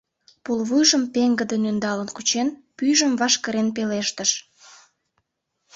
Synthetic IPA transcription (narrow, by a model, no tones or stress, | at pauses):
pulβujʒəmpeŋɡəd̪ənynd̪ɑlənkut͡ɕenpyjʒəmvɑʃkəɾenp̬eleʃt̪əʃ